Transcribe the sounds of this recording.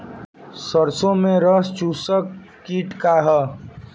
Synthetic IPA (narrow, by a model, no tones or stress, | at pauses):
səɾsõmẽɾəst͡ʃusəkː | iʈkaɦʌ